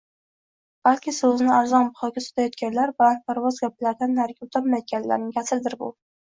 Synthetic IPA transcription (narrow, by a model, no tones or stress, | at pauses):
b̥alkʲɪsɵzɪnɪaɾzɒnbʊχɒɡʲasʊ̥t̪ʰajɒt̪̚ɡʲanlaɾban̚pʰaɾvɒzɡʲap̚laɾd̪anːaɾɡʲaʊt̪ʰapmajt̪̚ɡʲanla̰ɾnɪkʲʰasɪld̪ɪɾbʊ